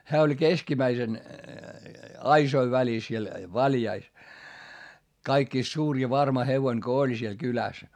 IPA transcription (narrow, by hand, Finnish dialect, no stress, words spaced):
hæː olʲ keskimæisen ɑisoi ʋælis siel ʋɑljɑis kɑikːiˑst suːr jɑ ʋɑrmɑ heʋoin ko olʲ siel kylæs